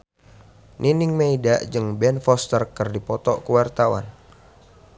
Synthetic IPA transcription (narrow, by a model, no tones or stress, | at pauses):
nʔinɪŋmeidaʔd͡ʒɨŋbɛnfɔst̪ərkərdipɔt̪ɔʔkəwart̪awa̰n